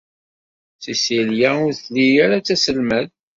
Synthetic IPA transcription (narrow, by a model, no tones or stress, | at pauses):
θisiljæʊɾθlijaɾat͡sːæsəlmæð